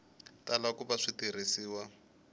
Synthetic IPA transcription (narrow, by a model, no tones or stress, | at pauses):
talakuβaʂitirisiːwa